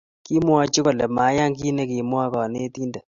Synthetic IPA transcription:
ki˦mwa˦t͡ʃi˦kɔ˨lɛ˨ma˨˦ja˦ŋɡi˦ne˦kɪ˨mwa˦kɔ˨ne˦ti˦ndɛ˨

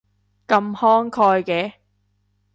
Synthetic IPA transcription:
kɐ˧mhɔː˥ŋkʰɔː˧jkɛː˨˧

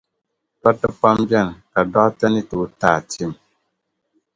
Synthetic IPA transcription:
ta˦tːɨ˦pa˦mbɛ˦˨n˨ka˨dɔ˦ʔta˦nɨ˦tu˨˦taː˦˨ti˦˨m

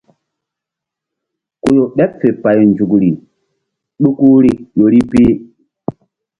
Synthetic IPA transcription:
ku˨jo˨ɓɛ˦p̚fe˨pa˨jn˨d͡ʒu˨kɾi˨ | ɗu˦ku˦ɾi˦jo˨ɾi˦pi˦

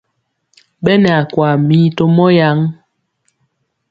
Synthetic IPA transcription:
ɓɛ˦nɛ˨a˨kwa˨mi˨˦to˦mɔ˦ja˨˦ŋ

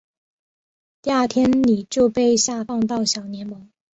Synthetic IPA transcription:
t̪ja˥˩t̪ʰjɛ˥nni˨˩t͡ɕjo˥˧ʊpe˥˧ɪɕja˥˧fɑ˥˧ŋt̪ɑ˥˩ʊɕjɑ˨˩ʊnjɛ˧˥nmɤ˧˥ŋ

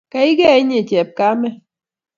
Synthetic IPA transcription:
ka˨˦i˦ɡɛ˦˨i˦ɲe˨t͡ʃɛ˨p̚ka˦mɛ˦

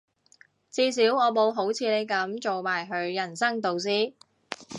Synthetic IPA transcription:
t͡siː˧s̬iː˨˥wɔː˨˧mo˨˧wɦo˨˥wt͡sʰiː˨˧le˨˧jkɐ˨˥mt͡so˨wmaː˨˩jɦɵ˨˧ɥjɐ˨˩nsɐ˥ŋt̪o˨˧ws̬iː˥˩

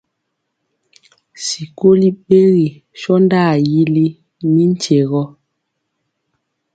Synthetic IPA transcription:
si˨ko˦li˦ɓe˦ɣi˨ | ʃɔ˦nda˦˨ji˦li˦ | ni˦n˦t͡ʃe˨ɣɔ˦

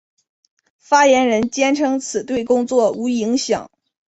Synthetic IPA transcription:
fa˥jɛ˧˥nɻə˧˥nt͡ɕjɛ˥nʈ͡ʂʰɤ˥ŋt͡sʰɹ̩˨˩t̪we˥˩ɪkʊ˥ŋt͡swɔ˥˩u˧˥i˧˥ŋɕjɑ̰˨˩˦ŋ

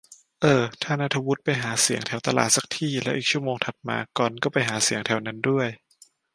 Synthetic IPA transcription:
ʔɤː˧˩t̪ʰaː˥˩na˦˥˩t̪ʰa˧wu˦˥t̪̚pa˧jɦaː˩˦si˨˩˦əŋt̪ʰɛ˧˩wt̪a˧la̰ː˨˩t̪̚sa˨˩k̚t̪ʰiː˥˩lɛ˦˥wʔiː˨˩k̚t͡ɕʰu˥˩əmoː˧ŋt̪ʰa˨˩t̪̚ma̰ː˧kɔː˨˩nkɔː˥˩pa˧jɦaː˩˦si˨˩˦əŋt̪ʰɛ˨˧˩wna˦˥ndu˥˩əj

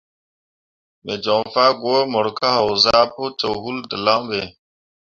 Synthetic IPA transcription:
me˨d͡ʒɔ˨ŋfa˦ɡwo˦mɔ˨ɾka˦hɔ˨wza˦pu˦t͡ʃo˨ɦu˦ldə˨la˦be˨

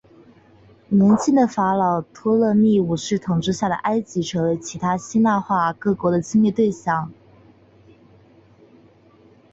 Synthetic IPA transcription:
nə˧˥nt͡ɕʰi˥nd̪ə˩fa˧˥lɑ˨˩ʊt̪ʰwɔ˥lɤ˥˧mi˥˩u˨˩ʂɻ̩˥˩t̪ʰʊ˨˩ŋʈ͡ʂɻ̩˥˧ɕja˥˩d̪ə̰˩ʔa˥ɪt͡ɕi˧˥ʈ͡ʂʰɤ˧˥˩t͡ɕʰi˧˥t̪ʰa˥ɕi˥na˥˧xwa˥˧kɤ˥˩kwɔ˧˥d̪ə˨t͡ɕi˥ŋmjt̪we˥˧ɪɕjɑ˥˩ŋ

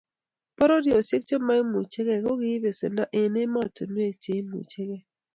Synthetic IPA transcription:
pɔ˦ɾɔ˦djɔ˨se˦k̚t͡ʃe˦ma˦i˦mu˨t͡ʃe˦kɛ˦˨kɔ˦ɡɪ˦be˨se˨nda˦ʔɪ˨nɪ˦ma˦˨to˨nwe˦˨kt͡ʃe˨i˦mṵ˨t͡ʃe˦ɣɛ˦

